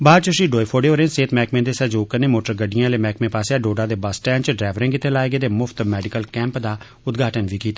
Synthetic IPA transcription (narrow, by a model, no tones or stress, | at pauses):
baːt͡ʃəʃiːɖoːjpʰoːɖeːoːɾẽːnseːt̪mɛːkmẽːd̪eːsɛd͡ʒoːkənẽːmoːʈəɾɡəɖɪjãleːmɛːkmẽːpaːseaːɖoːɖãːd̪eːbəsʈɛːnt͡ʃɖɾɛːʋəɾẽːŋkɪt̪ːeːlaːeːɡeːd̪eːmʊft̪mɛːɖɪkəlkɛ̃ːmpd̪aː | ʊd̪ɡʱaːʈənʋiːkiːt̪aː